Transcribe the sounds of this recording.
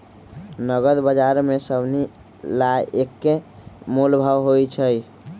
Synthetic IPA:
nəɡəd̪bəd͡ʒaɾmesəbʱni | laekːemulbʱəwɦojt͡ʃʰəj

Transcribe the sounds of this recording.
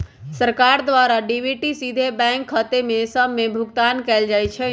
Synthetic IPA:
səɾkaɾd̪ʋaɾaɖibʱiʈisid̪ʱebɛ̃ŋkɦət̪emesəbmebʱʊɡt̪ankɛld͡ʒajt͡ʃʰɛ

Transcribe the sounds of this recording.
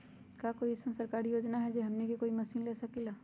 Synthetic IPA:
kjaːkoːiɪsesɐɾkaːɾijoːd͡ʒnaɦɛd͡ʒeːɦɐmnekikoːimɐsiːnleːsakilaː

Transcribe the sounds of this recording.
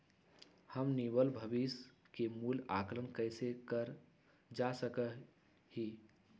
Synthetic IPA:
həmniwəlbʱəbis | kemuːla̰ːklənkəɪsekəɾ | d͡ʒasəkə | hi

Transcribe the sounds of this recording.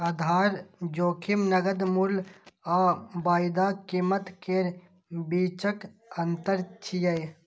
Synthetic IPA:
ɐd̪ʱaːɾd͡ʒoːkʰimnɐɡəd̪mulaːbaːjd̪aːkimət̪keɾ | biːt͡ʃək | ɐnt̪əɾt͡ʃʰijəj

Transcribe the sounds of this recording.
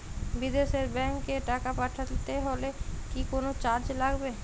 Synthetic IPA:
bid̪eʃeɾbɛŋkːeʈakapaʈʰat̪eɦolekikonot͡ɕaɾd͡ʑlaɡbe

